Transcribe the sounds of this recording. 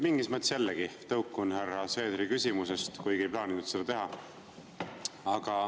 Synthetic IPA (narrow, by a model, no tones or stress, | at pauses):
miŋɡismɤt̪ːˑe̥sjælːeɡit̪ɤwkːˑunhærːɑse̞ːd̪ɾikysʲimus̬est̪kujɡ̥ejplɑːninud̪̥sed̪̥ɑt̪e̞ɦɑ | ɑɡ̥ɑ